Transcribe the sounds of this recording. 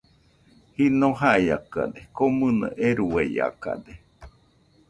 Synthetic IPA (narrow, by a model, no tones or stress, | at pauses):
hinoɦaiakad̪ekomɨna̰ʔeɾueia̰ka̰d̪e